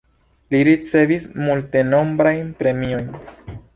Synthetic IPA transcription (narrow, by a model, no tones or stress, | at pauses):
liɾit͡se̞vismulte̞no̞mbɾajnpɾe̞mio̞jn